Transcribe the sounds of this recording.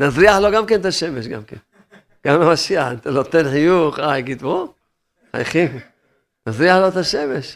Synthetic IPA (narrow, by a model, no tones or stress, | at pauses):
nazʁiaħloɡamkent̪aʃemeʃɡa̰mkḛn | ɡ̥amlamaʃiaħnt̪alot̪enħijuχajɡit̪bo | a̰jχim | nazʁiaħlot̪aʃemeʃ